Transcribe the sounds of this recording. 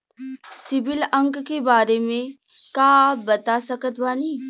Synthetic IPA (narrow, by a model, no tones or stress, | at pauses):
sɪbɪlə̃ŋkkebaːɾemẽ | kaːbɐt̪asəkət̪ʋaːniː